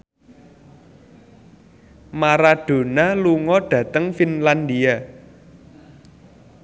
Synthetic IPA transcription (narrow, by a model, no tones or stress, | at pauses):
maɾaɖ̥o̤naluŋɔɖ̥ä̤t̪əŋfinland̪ia